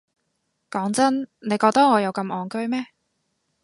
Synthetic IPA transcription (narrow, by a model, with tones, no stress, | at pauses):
kɔː˨˥ŋt͡sɐ˥nne˨˧jkɔː˧k̚t̪ɐ˥ŋɔː˨˧jɐ˨˧wkɐ˧mʔɔː˨˧ŋkɵ˥ɥmɛː˥